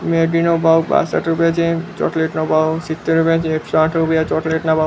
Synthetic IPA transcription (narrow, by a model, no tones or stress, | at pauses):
meɖinɔbʱawba̰sa̰ʈɾupijat͡ʃʰẽt͡ʃɔ̰ʈleʈnɔbʱawsit̪ːeɾupijat͡ʃʰĩekʃɔaʈʰɾupijat͡ʃɔʈleʈnabʱaw